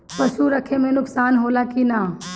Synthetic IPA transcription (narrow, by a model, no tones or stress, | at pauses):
pɐʃuɾɐkʰemẽnʊksaːnɦoːlakinaː